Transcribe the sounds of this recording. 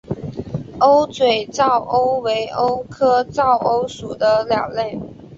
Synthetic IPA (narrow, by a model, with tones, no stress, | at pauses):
o˥ʊt͡swe˨˩ɪt͡sɑ˥˩ʊʔo˥ʊwe˧˥ɪʔo˥ʊkʰɤ˥t͡sɑ˥˩ʊʔo˥ʊʂu˨˩d̪ə˦ljɑ˨˩ŋle˥˩ɪ